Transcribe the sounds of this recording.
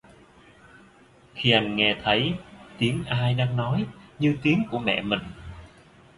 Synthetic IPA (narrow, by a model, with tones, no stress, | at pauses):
xi˧ʔa˧jŋ̟ŋɛ˧t̪ʰə˨˦jt̪i˨˦əŋʔaː˧jɗaː˧ŋnɔ˨˦jɲɨ˧t̪i˨˦əŋku˧˩əmɛ̰˧˨mï˨˩ŋ̟